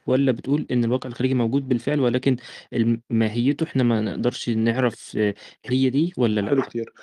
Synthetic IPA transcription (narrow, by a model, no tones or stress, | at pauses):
wælːæbet̪ʔuːlʔenːelwæːqeʕelxæɾiːɡimæwɡuːd̪̚belfeʕlwælæːkenelmæːɦejːet̪oʔeħnæmænḛʔd̪ɑɾˤʃneʕɾæfhejːæd̪iːwælːælæ̰ʔlokt̪iːɾ